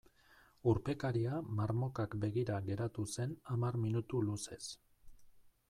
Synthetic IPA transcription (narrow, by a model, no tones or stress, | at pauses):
uɾpe̞kaɾiamaɾmo̞kakbe̞ɣ̞iɾaɣe̞ɾat̪use̞namarminut̪uluse̞s